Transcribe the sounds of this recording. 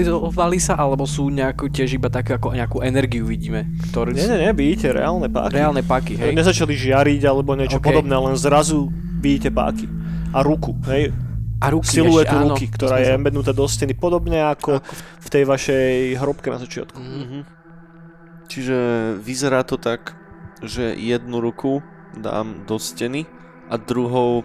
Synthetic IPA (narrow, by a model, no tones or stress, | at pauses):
iɔɔʋalisaʔalɛbɔsuːɲɛakucɪɛʒibat̪akɛakɔɲɛakuːʔɛnɛɾɡiuʋiɟiːmɛ | kt̪ɔɾɛɲɛɲɛɲɛʋiicɛɾɛ̰aːlnɛpa̰ːkɾɛaːlnɛpaːkiɦɲɛzat͡ʃaliʒɪaɾiɟalɛbɔɲɪɛt͡ʃɔpkɔd̪ɔbnɛːlɛnzɾazu | ʋiɟiːcɛpa̰ːki | aɾukuɦɛjaɾusilujɛt̪uɾukikt̪ɔɾaːjɛmɛd̪nut̪aːd̪ɔscɛnipɔd̪ɔbɲɛakɔft̪ɛjʋaʃɛjɦɾɔp̚kɛna̰zat͡ʃɪa̰t̪ku | t͡ʃiʒɛʋizɛɾaːt̪ɔt̪ak | ʒɛjɛd̪nuɾukʰu | d̪a̰ːmd̪ɔscɛni | ʔad̪ɾuɦɔʊ